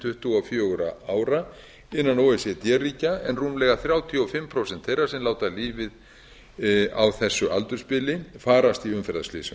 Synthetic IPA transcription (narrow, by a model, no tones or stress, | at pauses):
t̪ʰʏht̪uɔfjoːwɾaaːwɾa | ɪnːanowɛsɛt̪jɛriːcaɛnruːmlɛɣaθɾjaːwt̪ʰiɔfɪmːpʰɾowsɛnt̪θejrḁsɛmlaːwt̪aliːvɪð | a̰wθɛsːʏʔalt̪ʏɾ̥spɪlɪfaːɾast̪iʏmfɛɾðasflḭːsʏ